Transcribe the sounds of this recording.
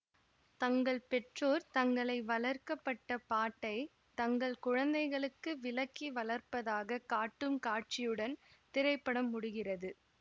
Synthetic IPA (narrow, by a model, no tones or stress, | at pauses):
t̪ɐŋɡɐɭpɛʈroːɾt̪ɐŋɡɐɭɐɪʋɐlɐɾkɐpːɐʈːɐpaːʈːɐɪ | t̪ɐŋɡɐɭkʊɻɐnd̪ɐɪɣɐɭɯkːɯʋɪlɐkːiʋɐɭɐɾpɐðaːɣɐkaːʈːɯmkaːʈ̚t͡ʃɪjɯɽɐnt̪ɪɾɐɪpːɐɽɐmːʊɽʊɣɪrɐðɯ